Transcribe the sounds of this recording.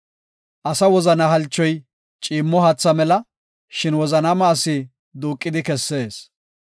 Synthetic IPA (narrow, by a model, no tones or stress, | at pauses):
ʔɐsɐwɔzɐnɐɦɐlt͡ʃːɔj | t͡ʃʼiːmːɔhɐt͡sːɐmɛlɐ | ʃɪnwɔzɐnamɐːsɪ | d̪uːkʼːɪd̪ɪkɛsːe̞ːs